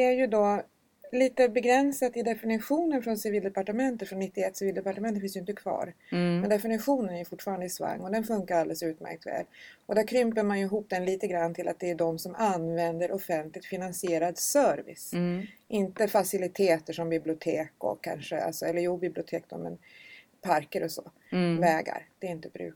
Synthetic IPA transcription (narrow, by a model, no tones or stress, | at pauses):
d̪ɛæɾjɵd̪ɔ | liːt̪əbɛɡɾɛnsat̪ɪd̪ɛfɪnɪɧuːnənfɾɔnsɪviːld̪ɛpaʈəmɛnt̪ət̪fɾɔnːɪt̪ːɪɛt̪ːsɪviːld̪ɛpaʈəmɛnəfɪnsjɪnt̪əkʰvɑ̰ːɾmɛnd̪ɛfɪnɪɧuːnənæɾjɵfʊʈːfɑːɾand̪əsva̰ŋːɔd̪ɛnfɵŋkaɾald̪ɛləsʉ̟ːt̪mæ̰ɾk̚t̪vɛ̰ːlɔd̪æɾkʰɾʏmpəɾmanjɵɪɦuːp̚d̪ɛnliːt̪əɡɾanːt̪ʰɪlʔat̪̚d̪ɛːɖɔmsɔmanvɛnd̪əɾʔɔfɛnt̪lɪɡt̪fɪnansɪeːɾad̪sœɾvɪ̰sʔɪnt̪əfasɪlɪt̪ʰeːt̪əʂɔmbɪblɪʊt̪ʰeːkɔ̰kʰːa̰nʂəa̰lsɔɛlːəɾjuːbɪblɪʊt̪ʰeːk̚d̪̥ɔ̰mɛ̰n | pʰaɾkəɾɔsɔ̰ | vɛːɡa̰ɾd̪̥ɛɪnt̪əbɾʉ̰ː